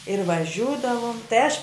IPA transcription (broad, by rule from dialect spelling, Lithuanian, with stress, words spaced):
ɪr ʋɐˈʒʲuːdɐʋʊm tɐɪ ɐʃ